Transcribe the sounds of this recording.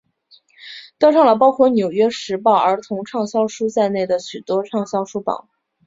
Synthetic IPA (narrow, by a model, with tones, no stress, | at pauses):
t̪ʂɑ˥˩ŋlə˩pɑ˥ʊkʰwɔ˥˩njo˨˩ʊɥɛ˥ʂɻ̩˧˥pɑ˥˩ʊə˞˧˥t̪ʰʊ˧˥ŋʈ͡ʂʰɑ˥˩ŋɕjɑ˥ʊʂu˥t͡sa˥˧ɪne˥˩ɪd̪ə˩ɕy˨˩t̪wɔ˥ʈ͡ʂʰɑ˥˩ŋɕjɑ˥ʊʂu˥pɑ̰˨˩˦